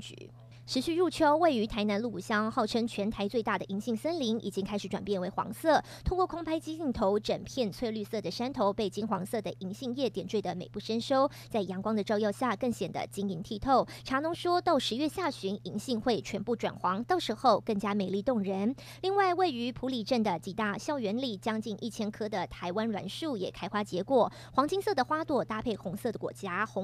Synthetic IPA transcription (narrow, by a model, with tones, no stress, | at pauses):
t͡ɕy̰˨˩˦ | ʈ͡ʂɻ̩˧˥ɕy˥˧ɻu˥˩t͡ɕʰjo˥ʊwe˥˩ɪy˧˥t̪ʰa˧˥ɪna˧˥nlu˥˩pu˨˩ɕjɑ˥ŋxɑ˥˩ʊʈ͡ʂʰɤ˥ŋt͡ɕʰɥɛ˧˥nt̪ʰa˧˥ɪt͡swe˥˧ɪt̪a˥˩d̪ə˩ʔi˧˥ŋɕi˥˩ŋsə˥nli˧˥ŋḭ˨˩t͡ɕi˥ŋʰa˥ɪʂɻ̩˧˩ʈ͡ʂwa˨˩npjɛ˥˩nwe˧˥ɪxwɑ̰˧˥ŋsɤ˥˩t̪ʰʊ˥ŋkwɔ˥˩kʰʊ˥ŋpʰa˥ɪt͡ɕi˥t͡ɕi˥˩ŋt̪ʰo˧˥ʊʈ͡ʂə˨˩npʰjɛ˥˧nt͡sʰwe˥˧ɪly˥˧sɤ˥˩d̪ə˩ʂa˥nt̪ʰo˧˥ʊpe˥˩ɪt͡ɕi˥nxwɑ˧˥ŋsɤ˥˩d̪ə˩ʔi˧˥ŋɕi˥˧ŋjɛ˥˩t̪jɛ˨˩nʈ͡ʂwe˥˩ɪd̪ə˩me˨˩ɪpu˥˩ʂə˥nʂo˥ʊ | t͡sa˥˩ɪjɑ˧˥ŋkwɑ˥ŋd̪ə˨ʈ͡ʂɑ˥˧ʊjɑ˥˧ʊɕja˥˧kɤ˥˩ŋɕjɛ˨˩nd̪ə̰˦t͡ɕi˥ŋi˧˥ŋt̪ʰi˥˧t̪ʰo˥˩ʊʈ͡ʂʰa˧˥nʊ˧˥ŋʂwɔ˥t̪ɑ˥˩ʊʂɻ̩˧˥ɥɛ˥˧ɕja˥˩ɕy˧˥ŋi˧˥ŋɕi˥˧ŋxwe˥˩ɪt͡ɕʰɥɛ˧˥npu˥˩ʈ͡ʂwa̰˨˩nxwɑ˧˥ŋt̪ɑ˥˩ʊʂɻ̩˧˥xo˥˧ʊkɤ˥˩ŋt͡ɕja˥me˨˩ɪli˥˧˩t̪ʊ˥˩ŋɻə˧˥n | li˥˧ŋwa˥˧ɪwe˥˩ɪy˧˥pʰu˧˥li˨˩ʈ͡ʂə˥˩nd̪ə˩t͡ɕi˨˩t̪a˥˩ɕjɑ˥˩ʊɥɛ˧˥nli˨˩t͡ɕjɑ˥ŋt͡ɕi˥˧nʔi˥˩t͡ɕʰjɛ˥nkʰɤ˥d̪ə˨t̪ʰa˧˥ɪwa˥nlwa̰˧˥nʂu˥˩jɛ˨˩kʰa˥ɪxwa˥t͡ɕjɛ˧˥kwɔ˨˩ | xwɑ˧˥ŋt͡ɕi˥ŋsɤ˥˩d̪ə˩xwa˥t̪wɔ˥˩t̪a˥˧pʰe˥˩ɪxʊ˧˥ŋsɤ˥˧˩d̪ə˩kwɔ̰˧˥t͡ɕja˥xʊ˧˥